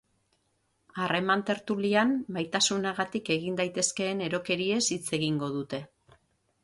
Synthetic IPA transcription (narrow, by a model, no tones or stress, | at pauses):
are̞mant̪e̞ɾt̪uliambajt̪asunaɣat̪ike̞ɣ̞ind̪ajt̪e̞ske̞ːne̞ɾo̞ke̞ɾie̞sit͡se̞ɣ̞iŋɡo̞ðut̪e̞